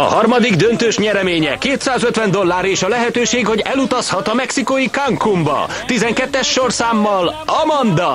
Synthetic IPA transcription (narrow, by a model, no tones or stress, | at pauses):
ɒ̰hɒrmɒd̪iɡd̪ønt̪øːʃɲɛɾɛmeːɲɛ̰keːt̪saːzø̞t̪ʋɛnd̪o̞lːaːɾeːʃɒlɛɦɛt̪øːʃeːɡho̞ɟɛlut̪ɒshɒt̪ɒmɛksikojikaŋkumbɒ̰ | t̪izɛŋkɛt̪ːɛʃːo̞rsaːmːɒlɒmɒnd̪ɒ